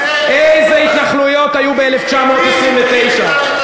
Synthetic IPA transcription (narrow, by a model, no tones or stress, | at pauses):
ʔejzeit̪laχlujo̞t̪ajubeeleft͡ʃamo̞t̪isʁimvet̪e̞jʃa